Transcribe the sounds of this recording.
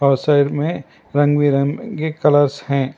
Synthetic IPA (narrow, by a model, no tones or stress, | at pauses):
ɔːsaɪɖmẽ | ɾɐ̃ŋɡwiɾə̃ŋkekɐləɾshɛ̃ː